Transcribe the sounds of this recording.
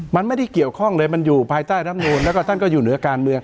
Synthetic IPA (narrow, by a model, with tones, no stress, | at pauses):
ma˧nma˥˩jda˥˩jki˨˩əwkʰɔ˥˩ŋlɤː˧jma˧njuː˨˩pʰaː˧jt̪aː˥˩na˦˥˩mnuː˧nlɛː˦˥wkɔː˥˩t̪ʰa˥˩nkɔː˥˩juː˨˩nɯ˩˦ɐkaː˧nmɯ˧əŋ